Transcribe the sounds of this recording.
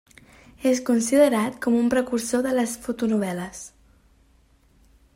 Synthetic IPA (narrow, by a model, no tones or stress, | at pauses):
eskunsiðəɾat̪kɔmumpɾəkursoðələsfut̪unuβ̞ɛləs